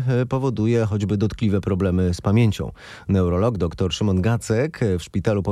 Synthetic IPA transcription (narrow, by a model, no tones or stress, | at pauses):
pɔvɔd̪ujɛxɔd͡ʑbɘd̪ɔt̪klʲivɛpɾɔblɛmɘspamʲjeɲt͡ɕɔ̰̃w̃ | nɛwɾɔlɔɡd̪ɔkt̪ɔɾʂɘmɔnɡat̪sɛkfʂpʲit̪alupɔ